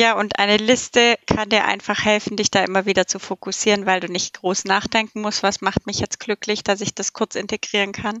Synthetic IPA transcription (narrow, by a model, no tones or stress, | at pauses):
jaːʔʊntʔa̰ɪnəlɪstəkʰandiːɐʔa̰ɪnfaχhɛlfn̩dɪçd̥aːʔɪmɐviːdɐt͡sufokʰʊsiːʁənvaɪlduːnɪçt̚ɡ̥ʁoːsnaːχd̥ɛŋkŋ̩mʊstv̥asmaχt̚mɪçjɛt͡stɡ̥lʏklɪçd̥asɪçd̥askʰʊɐt͡sɪnteɡ̥ʁiːʁ̞ənkʰan